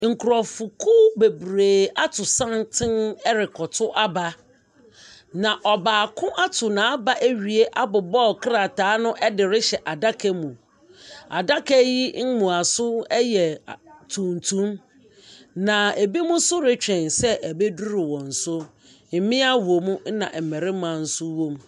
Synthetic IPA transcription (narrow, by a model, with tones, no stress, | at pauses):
ŋ̩˨kʰʊ˨ɾɔ˨fu˨kʰʊ˦be˨bɾeː˨a˦tʰʊ˨sã˦ntʰɪ̃˦nɛ˦ɾɪ˨kʰɔ˨tʰʊ˦ʔa˦ba˦ | nã˨ʔɔ˨baː˨kʰʊ̃˦ʔa˦tʰʊ˨nã˨a˦ba˦ʔæ˦ɥi˨e˦ʔa˦bʊ˨bɔ˦˨kɾa˨taː˨˦nʊ̃˦ʔɛ˦dɪ˨ɾɪ˦ɕɛ˨ʔa˨da˦kʰɛ˦mũ˨ | a̰˨da˦kɛ˦ji˦m̩˦mũ˨a˨sʊ˦ɛ˦jɛ˨tʰũ˨n˨tʰũ˦m | nã˨e˨bi˦mʊ̃˦sʊ˦ɾɪ˦t͡ɕᶣɛ̃˨nsɛ˦ʔæ˨be˦du˦ɾɪ˨wɔ̃˨n̩˨sʊ˦ | m̩˨mɪ̃˦a˦wo˨mũ˦n̩˦nã̰˨mɛ˨ɾɪ˦mã˨n̩˨sʊ˦wõ˦m